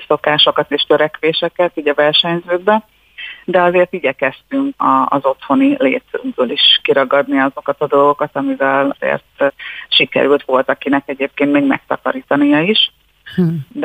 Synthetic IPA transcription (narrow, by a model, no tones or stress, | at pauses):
so̞kaːʃo̞kɒt̪eːʃt̪ø̞ɾɛkʋeːʃɛkɛt̪iːɟɒvɛrʃɛɲzøːɡ̪bɛ | d̪ɛɒzeːrt̪iɟɛkɛst̪yŋkɒ̰ːzo̞t̪ho̞nilḛːt̪suɡbøːliʃkiɾɒɡɒd̪niɒzo̞kɒt̪ɒd̪o̞lɡo̞kɒt̪ɒmivɛlḛːrt̪ʃikɛ̰ɾylt̪ʋo̞lt̪ɒkinɛkɛɟeːp̚keːnt̪meːɡmɛ̰k̚t̪ɒ̰kɒ̰ɾiːt̪ɒnijɒiʃ | d̪